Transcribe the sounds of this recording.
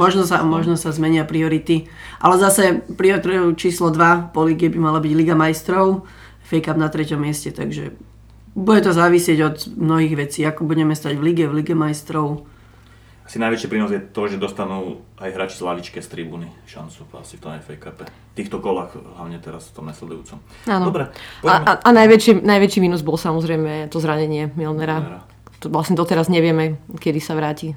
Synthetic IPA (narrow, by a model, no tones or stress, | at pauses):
mɔʒnɔsa̰mɔʒnɔsazmɛɲɪapɾiɔɾit̪iʔa̰lɛzasɛpɾiɔt̪ɾɛut͡ʃiːslɔd̪ʋapɔliɡɛbimalabiɟliɡamajst̪ɾɔʊ | fɛjkabnat̪ɾɛcɔmːɪɛscɛt̪a̰ɡʒɛ̰ | buɟɛt̪ɔzaːʋisɪɛɟɔd̪mnɔɦiːɣʋɛt͡siːakɔbuɟɛmɛst̪aɟvliɡɛvliɡɛmajst̪ɾɔʊ | asinajʋɛt͡ʃipɾiːnɔzjɛt̪ɔʒɛd̪ɔst̪anuːajɦɾaːt͡ʃi̥zlaʋit͡ʃkɛst̪ɾibuːniʃa̰nt͡sua̰si̥ft̪ɔnɛfɛjkapɛ | ft̪iːxt̪ɔkɔlaxɦlaʊɲɛt̪ɛɾasft̪ɔmnaslɛd̪ujṵːt͡sɔm | aːnɔdɔbɾɛpɔaaʔanajʋɛt͡ʃinajʋɛt͡ʃimiːnuzbɔlsamɔzɾɛjmɛt̪ɔzɾaɲɛɲɪɛmilnɛɾa | t̪ʋlasɲɛd̪ɔt̪ɛɾazɲɛʋɪɛmɛkɛd̪isaʋɾaːci